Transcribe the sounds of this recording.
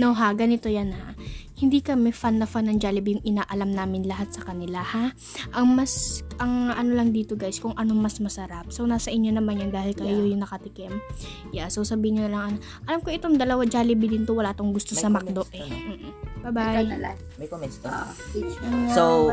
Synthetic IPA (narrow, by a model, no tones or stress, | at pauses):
noɦaɡɐnɪt̪o̞janha̰hɪnd̪ikɐmɛfanːɐfanːɐŋd͡ʒaːlɪbijʊŋɪnaːʔɐlamnaːmɪnlɐɦat̪̚sɐkɐnɪlaha | ʔɐŋmɐsʔɐŋʔɐno̞lɐŋd̪iːt̪o̞ɡajskʊŋʔɐno̞mɐsmɐsɐɾap̚sownaːsɐʔɪɲːo̞nɐmanjʊnd̪aːhɪlkɐjojʊŋnɐkɐt̪ɪkɛm | jasowsɐbiːhɪɲːonɐlɐŋɐno | ʔɐlamkoʔɪt̪oŋd̪ɐlɐwad͡ʒaːlɪbɪd̪ɪnt̪owɐlaːt̪oŋɡʊst̪osɐmɐkd̪oʔʔɛm̩ːʔ̩babaj | mɐkomɛt̪o | osow